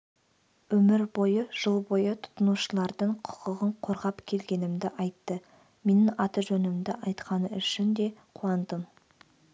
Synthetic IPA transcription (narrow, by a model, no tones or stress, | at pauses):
wɵmɪɾbo̞jəʒ̥əlˠbo̞jət̪ʰʊ̥t̪ənuʃəlˠɑɾd̪əɴqʰʊ̥qəʁəɴqʰo̞ɾʁɑpkʲʰe̞lɡʲe̞nɪmd̪ɪʔɑjt̪ːə | me̞nɪŋɑt̪əʒɵnɪmd̪ɪʔɑjt̪qɑnəʏʃɪnd̪e̞qʰuɑnd̪əm